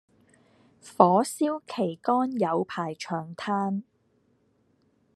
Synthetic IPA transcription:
fɔː˨˥siː˥wkʰe˨˩jkɔː˥njɐ˨˧wpʰaː˨˩jt͡ʃʰœː˨˩ŋt̪ʰaː˥n

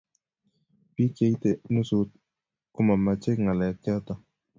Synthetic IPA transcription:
pi˦ke˨˦jt̪e˨nu˦su˦t̪̚ | kʊ˦ma˨ma˨t͡ʃe˦kŋa˨lɛ˨ka˦t̪a˦

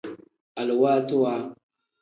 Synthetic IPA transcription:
a˨lwa˦tu˦wa˦

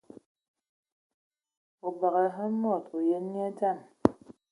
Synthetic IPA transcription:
o˨ba˨ɣɛ˨ɦa˦mɔ˦˨to˨je˦ni˦a˦ta˦˨n

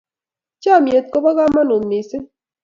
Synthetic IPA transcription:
t͡ʃa˦˨mje˨t̪̚ko˦bɔ˦ɣa˦ma˦no˨nːi˨se˦

